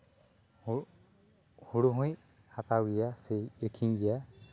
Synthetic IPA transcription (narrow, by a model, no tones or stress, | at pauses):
h | huɽuɦũj | hat̪awɡijasɛjiɾkʰiŋɡija